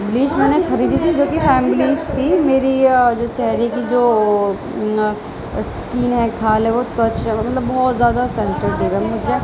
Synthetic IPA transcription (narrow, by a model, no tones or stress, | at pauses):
bliːʃmɛ̃ːnexɐɾiːd̪it̪ʰid͡ʒoːkifɛːmɪliːzt̪ʰimeːɾid͡ʒoːt͡ʃɛɦɾikid͡ʒoː | skiːnɦɛ̃kʰaːlɦɛ̃ʋot̪wɐt͡ʃɦɛmɐmɐt̪ləbːɔːt̪zjaːd̪asɛ̃nsəɾɖ̪eːɾɛmʊd͡ʒe